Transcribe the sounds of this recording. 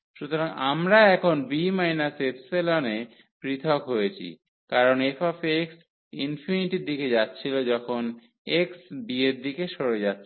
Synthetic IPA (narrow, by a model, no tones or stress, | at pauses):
ʃut̪oɾaŋamɾaɛkʰonbimajnasepselone | pɾit̪ʰokɦojet͡ɕʰḭ | kaɾonefafeks | infiniʈiɾd̪iked͡ʑatːɕʰilod͡ʑɔkʰon | eksbieɾd̪ikeʃoɾed͡ʑatːʰ